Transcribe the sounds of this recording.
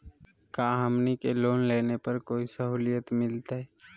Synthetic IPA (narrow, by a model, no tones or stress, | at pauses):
kaːɦəmnikeloːnleːnepɐɾkoːisəɦuːlɪjət̪mɪlt̪aɦɛ